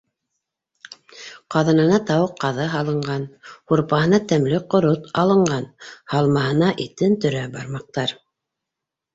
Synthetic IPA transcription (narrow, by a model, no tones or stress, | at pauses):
qɑðɤ̆nɤ̆nɑt̪ɑwɤqːɑðɤɦɑlˠɤ̆ɴɢɑnhuɾpɑɦɤ̆nɑt̪æmlɘqŏɾot̪ɑlˠɤ̆ɴɢɑnhɑlˠmɑhɤ̆nɑʔit̪ɘnt̪ɵ̆ɾæbɑɾmɑq̚t̪ɑɾ